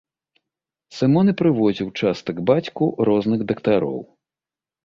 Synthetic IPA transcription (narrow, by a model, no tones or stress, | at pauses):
sɨmɔnɨpɾɨvɔzʲiwt͡ʂast̪ɐɡbat͡sʲkuɾɔznɨɣd̪ɐkt̪aɾɔ̰w